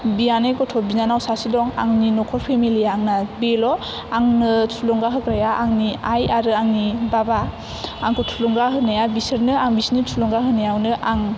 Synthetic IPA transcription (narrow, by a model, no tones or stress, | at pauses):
bijanekɔtʰɔbinanawsasidɔŋa̰ŋninɔkʰɔɾpʰemiliaŋnabelɔ | aŋnɯtʰulɔŋɡaɦɯkɾajaʔaŋniajaɾɯaŋnibaba | aŋkʰɔtʰulɔŋɡaɦɯnajabisɯɾnɯaŋbisnɯt͡ʃʰulɔŋɡaɦɯnajawnɯʔaŋ